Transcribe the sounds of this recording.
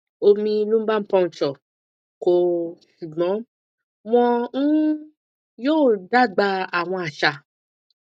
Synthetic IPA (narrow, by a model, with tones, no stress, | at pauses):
o˧mĩ˧nũ˦ba˦pɔ̃˧n̩˨t͡ʃɔ˨ | ko˨ʃu˨ɡ͡bɔ̃˨˦ | w̃ɔ̃˧n̩˦ | joː˦˨da˦ɡ͡ba˧a˨w̃ɔ̃˧a˨ʃa˧˨